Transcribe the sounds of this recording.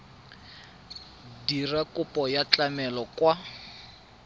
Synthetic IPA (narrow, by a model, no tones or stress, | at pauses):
dirakʼʊpʼɔjat͡ɬamɛlɔkwa